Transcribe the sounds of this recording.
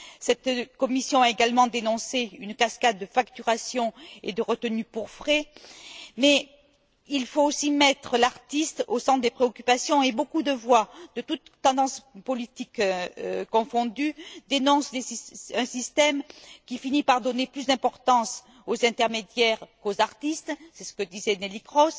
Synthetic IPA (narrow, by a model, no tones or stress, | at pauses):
sɛt̪kɔmisjɔ̃aeɡalmɑ̃d̪enɔ̃seynkaskad̪̚ːəfakt̪yʁasjɔ̃ḛd̪əʁət̪ənypuʁfχɛ | mɛ | ilfoosimɛt̪χəlaʁt̪ist̪osɑ̃t̪d̪epχeɔkʲypasjɔ̃ebokud̪əvwad̪̥ət̪ut̪ːɑ̃d̪ɑ̃spɔlit̪ikøkɔ̃fɔ̃d̪yd̪enɔ̃sd̪esɛ̃sist̪ɛmkʲifinipaʁd̪ɔneplysd̪ɛ̃pɔʁt̪ɑ̃s | ozɛ̃t̪ɛʁmed̪jɛʁkozaʁt̪ist̪sɛsə̥kəd̪izɛnelikχɔs